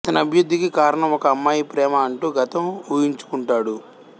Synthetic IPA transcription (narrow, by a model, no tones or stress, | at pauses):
ɐt̪ɐnɐɐbʱijud̪ːikikaːɾɐɳɐmɔkɐːmːaːjipɾɛːmɐːɳʈuːɡɐt̪ɐmuːjiɲt͡ʃu̥kuɳʈaːɽu